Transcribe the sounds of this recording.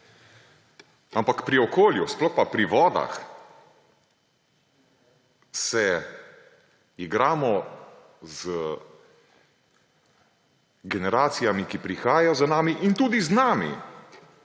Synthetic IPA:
ampakpɾiɔkoːljusplɔxpapɾiʋɔːd̪a̰x | sɛ | iɡɾaːmɔ | zə | ɡɛnɛɾaːt̪sijamikipɾixaːjajɔzanaːmiʔint̪uːd̪iznaːmḭ

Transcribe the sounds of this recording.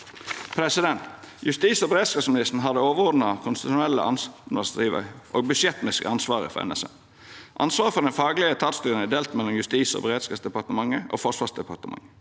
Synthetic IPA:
pʰɾɛsɪd̪ɛnt̪ | jʉst̪iːsɔbəɾeːd̪skɑːsmɪnɪst̪n̩ɦɑd̪əoːʋəɾɔd̪nɑkʰʊnst̪ɪt̪ʃʊnɛlːə̰ʔɑ̰nsɑst̪ɾiːʋə̰ɾʔoːɡ̚bʏʂjɛt̪nɪskə̰ɑnsʋɑːɾə̰fɔ̰ɾɛ̰nɛ̰sɛ̰ | ʔɑ̰nsʋɑːɾəfɔd̪ɛnfɑːɡlɪət̪ʰɑt̪st̪yːɾənæd̪eːlt̪mɛlːɔmjʉst̪iːsɔ̰ːbəɾeːd̪skɑːsd̪ɛpɑʁt̪əmɑŋːəʔo̰ːfɔʂʋɑːsd̪ɛpɑɾt̪əmɑ̰ŋ

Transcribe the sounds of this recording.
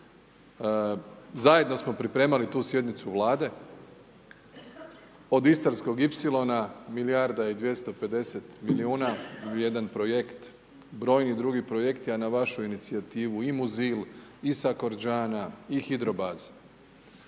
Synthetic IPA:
zaje̞d̪no̞smo̞pɾipɾe̞ːmalit̪uːsje̞d̪nit̪suʋlˠaːd̪e̞ | o̞d̪ist̪aɾsko̞ɡipsilˠo̞namiljaɾd̪aid̪ʋje̞st̪o̞pe̞d̪e̞se̞t̪miliuːnaje̞d̪anpɾo̞je̞kt̪ | bɾo̞ːjnid̪ɾuɡipɾo̞je̞kt̪ianaʋaʃuinit̪siat̪iːʋuimuzilisako̞ɾd͡ʒaːnaixid̪ɾo̞baːz̥

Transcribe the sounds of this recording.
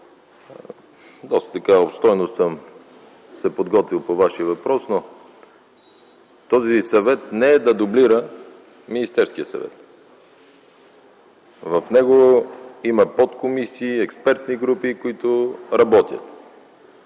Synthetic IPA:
d̪ɔst̪ə̥t̪ɐkaopst̪ɔjnosəm | sɛpod̪ɡɔt̪vilˠpovaʃiəvɐpɾɔsno | t̪ɔzisɐvɛt̪nɛɛd̪ɐd̪obliɾə | minist̪ɛɾskijəsɐ̰vɛ̰t̪ | vɐfnɛɡoimɐpɔt̪komisiːɛkspɛɾt̪niɡɾupikoit̪ʊɾɐbɔt̪ʲjə̰t̪

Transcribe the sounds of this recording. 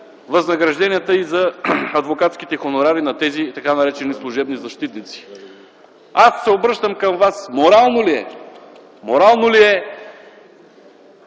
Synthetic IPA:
vɐznɐɡɾɐʒd̪ɛniət̪əizɐɐd̪vokat̪skit̪ɛxonoɾaɾinɐt̪ɛzit̪ɐkanɐɾɛt͡ʃɛnislˠuʒɛbnizɐʃt̪it̪nit̪si̥ | asːɛobɾɤʃt̪əmkəmvasmoɾalˠnoliɛ̰ | moɾalˠnoliɛ

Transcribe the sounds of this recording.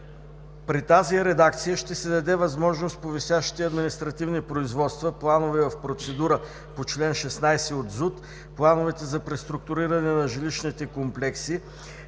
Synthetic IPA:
pɾit̪aziɾɛd̪ak̚t̪sijəʃt̪ɛsɛd̪ɐd̪ɛvɐzmɔʒnost̪̚povisjaʃi̥t̪ɛɐd̪minist̪ɾɐt̪ivnipɾoizvɔt̪st̪vəplˠanovɛvɐfpɾot̪sɛd̪uɾə | pot͡ʃlɛnʃɛsnajsɛod̪zut̪ | plˠanovɛt̪ɛzɐpɾɛst̪ɾʊk̚t̪ʊɾiɾɐnɛnɐʒiliʃnit̪ɛkomplɛksi

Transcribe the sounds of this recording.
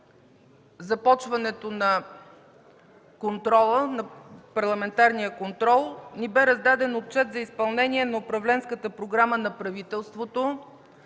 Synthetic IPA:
zɐpɔt͡ʃvɐnɛt̪onɐ | kont̪ɾɔlˠənɐpɐɾlˠɐmɛnt̪aɾnijəkont̪ɾɔlˠnibɛɾɐzd̪ad̪ɛnot̪̚t͡ʃɛt̪zɐispɐlˠnɛniɛnɐʊpɾɐvlɛnskət̪əpɾoɡɾamənɐpɾɐvit̪ɛlˠst̪vot̪o

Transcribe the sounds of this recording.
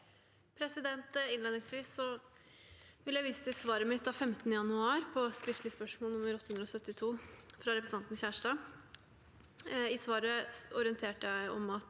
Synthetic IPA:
pʰɾɛsɪd̪ɛnt̪ɪnleːd̪nɪŋsʋiːsːɔ | ʋɪləjæʋiːsə̥t̪ʰɪsʋɑːɾəmɪt̪ʰːɑfɛmt̪ənəjɑnʉɑːɾpʰɔskɾɪft̪lɪspœʂmoːlnʊməɾɔt̪ːəhʉnɾɔsœt̪ːɪt̪ʰuːfɾɑɾɛpɾsɑnt̪n̩sçæːʂʈɑː | ɪsʋɑːɾəɔɾɪənt̪ʰeːʈəjæɪɔ̰mɑt̪

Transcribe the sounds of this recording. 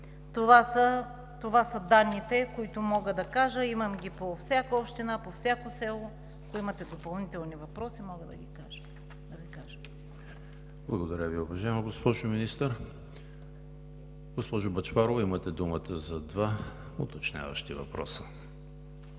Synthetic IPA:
t̪ovasə | t̪ovasɐd̪anːit̪ɛkoit̪ʊmɔɡəd̪ɐkaʒəimɐmɡʲipofsʲjakəopʃt̪inapofsʲakosɛlˠo | ɐkʊimɐt̪ɛd̪opɐlˠnit̪ɛlˠnivɐpɾɔsimɔɡəd̪ɐ̰ɡʲikaʒə̥ | d̪ɐvikaʒə | blˠɐɡod̪ɐɾʲəviʊvɐʒaɛmoɡospɔʒominist̪əɾ | ɡospɔʒʊbɐt͡ʃpaɾovimɐt̪ɛd̪umət̪ʰəzɐd̪va | ot̪ɐt͡ʃnʲa̰və̰ʃt̪ivɐ̰pɾɔ̰sə̥

